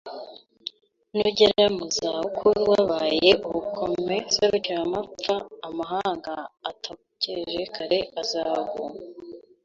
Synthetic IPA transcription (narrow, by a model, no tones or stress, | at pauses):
nuɟeɾajamuzaukʰuwaːβajeʔuβukʰomesaɾut͡ʃaamap͡faːmaɦaːŋɡaːtʰa | ceʒekʰaɾe̞azaːβṵma